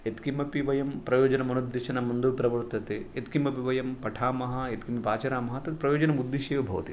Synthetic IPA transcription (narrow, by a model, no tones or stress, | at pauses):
et̪kimɐpiʋɐjɐmpɾɐjoːd͡ʒɐnɐmɐnud̪ːiʃɐnɐmɐnd̪uʋpɾɐʋɐɾt̪ɐt̪eet̪kimbɐpiʋɐjɐmpɐʈʰaːmɐɦɐet̪kimbɐpaːt͡ʃɐɾaːmɐɦɐt̪ɐt̪ipɾɐjoːd͡ʒɐnɐmud̪ːiʃɐjɐbʱɐʋɐ̰t̪ḭ